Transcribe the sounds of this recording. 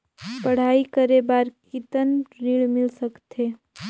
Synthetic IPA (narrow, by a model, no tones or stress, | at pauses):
pəɽ̤aːikəɾebaːɾkit̪ənɾiɭmɪlsəkt̪ʰeː